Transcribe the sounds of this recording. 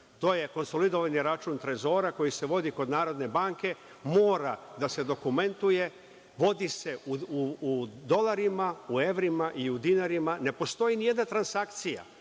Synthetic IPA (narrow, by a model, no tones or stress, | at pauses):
t̪o̞ːje̞ko̞nso̞lid̪oʋaniɾat͡ʃuːnt̪ɾe̞zo̞ːɾako̞jise̞ʋo̞d̪iko̞d̪naːɾo̞d̪ne̞baːŋke̞ | mo̞ːɾad̪ase̞d̪o̞kume̞nt̪uje̞ | ʋo̞d̪ise̞uud̪o̞laɾimaue̞ʋɾimaʔiud̪inaɾimane̞po̞st̪o̞jinije̞d̪nat̪ɾansakt̪sija̰